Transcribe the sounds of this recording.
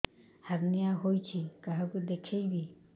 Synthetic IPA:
haɡnijaɦojt͡ʃʰikaɦɛkud̪ekʰejbi

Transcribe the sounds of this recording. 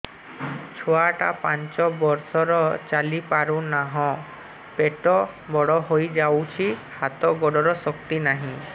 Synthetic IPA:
t͡ʃʰɔaʈapant͡ʃɔbɔɾsɔɾɔt͡ʃalipaɾunaɦɔ̃ | peʈɔbɔɽɔɦojd͡ʒawt͡ʃʰihat̪ɔɡɔɖɔɾɔsɔkt̪inaɦĩ

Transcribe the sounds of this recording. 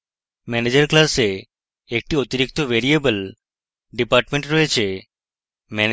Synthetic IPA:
mɛned͡ʒəɾklaseː | k̚ʈiot̪iɾikt̪oʋeɾiebəl | ɖipaɾʈmẽɳʈɾɔɦet͡ʃʰe | mɛ

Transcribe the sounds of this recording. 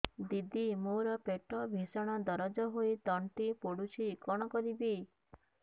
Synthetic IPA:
d̪id̪imoɾɔpeʈɔbʱisɔɽ̃ɔd̪ɔɾɔd͡ʒɔɦoit̪ɔɳʈipoɽut͡ʃʰiːkɔɽ̃ɔkɔɾibi

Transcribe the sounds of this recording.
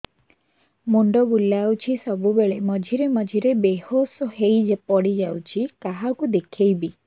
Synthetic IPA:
muɳɖɔbulawt͡ʃʰisɔbubeɭemɔd͡ʒʱiɾemɔd͡ʒʱiɾebehosɔɦejd͡ʒepɔɽid͡ʒawt͡ʃʰikaɦakud̪ekʰejbi

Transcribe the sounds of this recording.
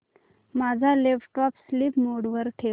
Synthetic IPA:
mad͡zʱalefʈɔpsliːpmoɽʋəɾʈʰe

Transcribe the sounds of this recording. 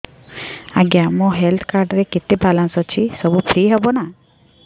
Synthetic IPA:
aɡjamũɦelt̪ʰkaɾɖɾeket̪ibalansɔt͡ʃʰisəbupʰɾiɦɔbona

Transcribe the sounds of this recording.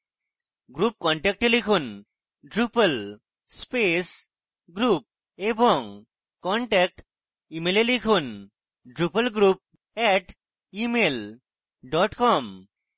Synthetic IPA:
ɡɾup̚kɔɳʈɛk̚ʈelikʰun | ɖɾupəl | spes | ɡɾuːp̚ | ebɔŋ | kɔɳʈɛk̚ʈ | imelelikʰun | ɖɾupəlɡɾuːp̚ | ɛʈ | imel | ɖɔʈkɔm

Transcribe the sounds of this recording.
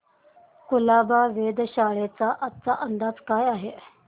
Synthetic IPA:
kulabaʋed̪ɕaɭet͡saʔət͡saʔənd̪ad͡zkajaɦe

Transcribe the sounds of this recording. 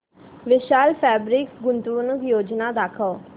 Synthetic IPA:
ʋɪʃaːlpʰɛːbɾɪkɡʊnt̪uːnəkjoːd͡ʒnaːd̪aːkʰɔː

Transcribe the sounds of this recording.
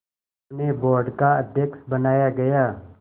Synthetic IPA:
nebɔːɾɖkaɐd̪ʱjəksbənaːjaɡɐjaː

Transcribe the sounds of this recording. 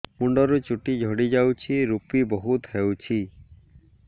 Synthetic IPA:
muɳɖɔɾut͡ʃuʈid͡ʒʱɔɽid͡ʒawt͡ʃʰiɾupibɔɦut̪hewt͡ʃʰi

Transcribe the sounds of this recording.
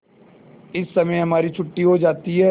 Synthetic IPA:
ɪsːɐməjɦɐmaːɾit͡ʃʰʊʈːiɦod͡ʒaːt̪iɦɛː

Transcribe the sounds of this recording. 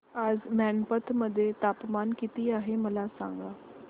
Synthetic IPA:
aːzmɛ̃ːnpət̪ʰməd̪eːt̪aːpmaːnkit̪iːaːɦeːməlaːsã̰ːŋɡaː

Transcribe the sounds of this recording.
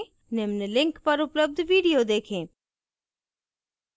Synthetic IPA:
nemnəlɪ̃ŋkpɐɾʊpləb̚d̪ʱʋiːɖijod̪eːkʰẽː

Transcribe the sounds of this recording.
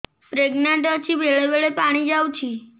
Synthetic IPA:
pɾeɡnaɳʈət͡ʃʰibʱeɭeʋeɭepaɽ̃id͡ʒawt͡ʃʰi

